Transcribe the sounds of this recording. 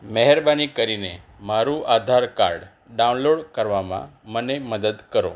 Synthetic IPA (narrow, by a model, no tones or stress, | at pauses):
mɛɦɛɾbanikəɾinemaɾuʔad̪ʱaɾka̰ɾɖ | ɖaunloɽkəɾʋamã̰məneməd̪əd̪kəɾo̰